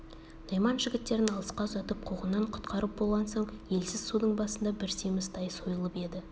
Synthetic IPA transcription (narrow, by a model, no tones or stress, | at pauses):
n̥ɑjmɑnʒɪɡʲɪt̪ːe̞ɾɪnɑlˠəsqɑzɑt̪əp̚qʰuʁənːɑɴqʰʊ̥t̪qʰɑɾəp̚bo̞lˠʁɑnsoɴje̞lsɪz̥sud̪əɴbɑsənd̪ɑbɪɾsijmɪst̪ʰɑjsojəlˠəpe̞d̪ɪ